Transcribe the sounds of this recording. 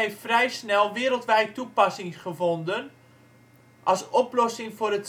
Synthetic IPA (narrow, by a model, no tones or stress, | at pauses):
ɪffrɛjsnɛlˠʋɪəɾəlˠtʋɛjtupasɪŋχəfondən | ʔɑsoplɔsɪŋfʊɾət